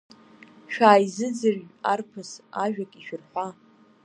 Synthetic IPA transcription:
ʃᶣaːjzɨd͡zɨrʒarpʰɨsaʒᶣakʼiʃᶣɪrħʷa

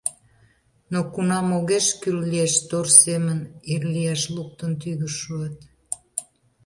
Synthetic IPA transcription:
nokunɑmoɣeʃkyllieʃt̪orsemənirlieʃluk̚t̪ənt̪yɣəʃuət̪

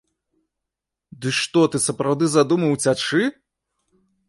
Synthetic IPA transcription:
d̪ɨʂt̪ɔt̪ɨsɐpɾawd̪ɨzad̪umɐwt͡sʲat͡ʂɨ

